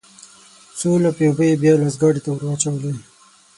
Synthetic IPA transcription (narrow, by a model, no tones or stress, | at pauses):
solapjobəjebjɑlasɡɑɽit̪awəɾwat͡ʃawəli